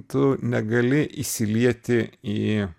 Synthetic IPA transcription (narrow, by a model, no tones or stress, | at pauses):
t̪ʊnʲɛɡɐlʲɪʔisʲɪlʲiɛt̪ʲɪi